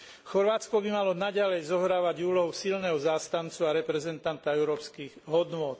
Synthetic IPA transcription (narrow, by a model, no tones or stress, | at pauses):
xɔɾʋaːt͡skɔbimalɔnaɟalɛjzɔɦɾaːʋaɟuːlɔɦɔsilnɛɦɔzaːst̪ant͡suaɾɛpɾɛzɛnt̪ant̪aɛʊɾɔːpskiːɣɦɔd̪nʊɔt̪